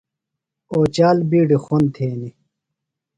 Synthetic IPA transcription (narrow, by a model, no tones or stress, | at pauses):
oːt͡ɕaːlbiːɖixont̪ʰeːni